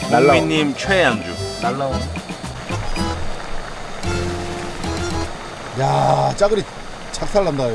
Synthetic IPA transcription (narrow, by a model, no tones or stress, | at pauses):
nalːaiɲːimt͡ɕʰwejaŋd͡ʑunalːa | jat͡ɕaɡɯɾi | t͡ɕʰak̚sʰaɭːandajo